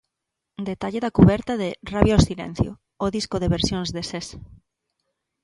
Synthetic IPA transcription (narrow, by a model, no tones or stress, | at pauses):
d̪et̪aʎeðɐkuβɛɾt̪ɐðɪraβjosilɛ̰n̟θjo̰ | oðiskʊðeβeɾsjoŋzðeses